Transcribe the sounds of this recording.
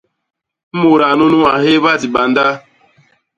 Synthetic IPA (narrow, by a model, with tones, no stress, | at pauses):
m̩˦mo˨ɾa˨nu˦nu˦ma˨ɦe˦βa˦˨di˨ɓa˨nda˦